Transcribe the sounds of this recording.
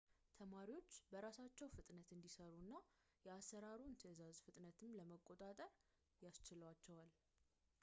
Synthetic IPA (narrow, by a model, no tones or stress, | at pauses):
t̪ʰəmaɾiwo̞t͡ʃːbəɾasat͡ʃːɛwfɨt̪ʼnət̪ɨnd̪isəɾunːa | jɛasːəɾaɾunt̪ʰəzazfɨt̪ʼnət̪ʰɨmləməkʼːo̞t̪ʼat̪ʼəɾ | jast͡ʃɪləwat͡ʃːɛwal